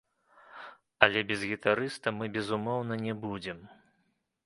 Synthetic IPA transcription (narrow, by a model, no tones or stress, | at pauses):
ɐlʲɛbʲɛzɣʲit̪aɾɨst̪ɐmɨbʲɛzumɔwnɐnʲɛbud͡zʲɛm